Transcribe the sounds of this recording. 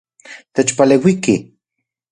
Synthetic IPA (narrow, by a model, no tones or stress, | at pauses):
t̪ət͡ʃpalewiki